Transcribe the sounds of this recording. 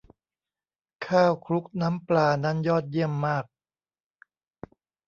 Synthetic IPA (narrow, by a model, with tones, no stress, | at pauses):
kʰaː˥˩wkʰɾu˦˥k̚na˦˥mplaː˧na˦˥njɔː˥˩t̪̚ji˥˩əmːaː˥˩k̚